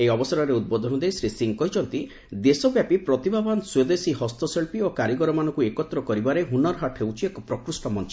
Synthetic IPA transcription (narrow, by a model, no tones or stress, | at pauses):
ejɔbɔsɔɾɔɾeud̪̚bɔd̪ʱɔnɔd̪ejsɾisiŋkɔɦid͡ʒɔnt̪i | d̪esɔbjapipɾɔt̪ibʱabanswed̪esihɔst̪ɔseɭpiokaɾiɡɔɾɔmanɔŋkuekɔt̪ɾɔkɔɾibaɾeɦunɔɾɦaʈʰhewt͡ʃʰiekɔpɾɔkɾusʈɔmɔnt͡ʃɔ